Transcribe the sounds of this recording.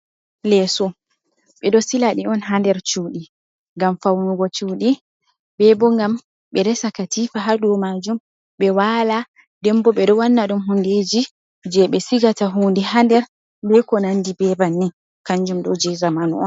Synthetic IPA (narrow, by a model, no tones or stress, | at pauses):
lɛsɔ | ɓɛɗɔsilaɗiɔnɦandɛɾt͡ʃuːɗi | ŋɡamfawnuɡɔt͡ʃuɗi | bɛbɔŋɡam | ɓɛɾɛsakatifaɦaɗɔmad͡ʒum | ɓɛwala | dɛmbɔɓɛɗɔwanːaɗumɦunded͡ʒi | d͡ʒɛɓɛsiɡataɦuːndihandɛɾ | bɛkɔnandibɛbanːi | kaɲd͡ʒumɗɔd͡ʒɛzamanuɔn